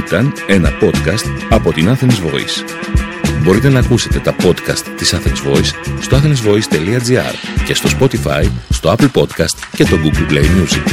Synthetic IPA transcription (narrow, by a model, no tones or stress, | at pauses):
it̪ɐne̞nɐ̰po̞t̪kɐst̪ɐpo̞t̪inɐθe̞nezvo̞̰ḭs | bo̞ɾit̪e̞nɐːkuse̞t̪e̞t̪ɐpo̞t̪kɐst̪ːisɐθenzvo̞isːt̪oɐθenizvo̞ist̪e̞liɐd͡ziɐ̰ɾce̞st̪o̞spo̞t̪ifɐ̰jst̪oɐpl̩po̞t̪kɐst̪ce̞st̪o̞ɡuɡlplejmjuzḭk